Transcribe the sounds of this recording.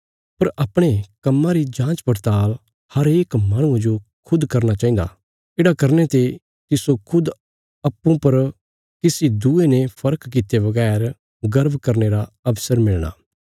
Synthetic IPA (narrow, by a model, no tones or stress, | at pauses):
pɐɾɐpɽ̃ekɐmːãɾid͡ʒãːt͡ʃpɐɾt̪aːl | hɐɾeːkmaːɽ̃ʊ̃ãd͡ʒo | kʰʊd̪kɐɾnat͡ʃaːĩnd̪a̰ | ɪːɽakɐɾnet̪e | kisokʰʊd̪ | ɐpːũpɐɾ | kɪsid̪uenepʰɐɾəkːɪt̪ebɐɡɛːɾ | ɡɐɾbʱkɐɾneɾaɐbsəɾmɪɭɽ̃a̰ː